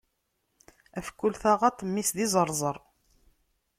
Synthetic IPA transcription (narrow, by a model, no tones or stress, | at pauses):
æfkːulθaʁæt̪ˤːəmːisðizˤəɾˤzˤəɾˤ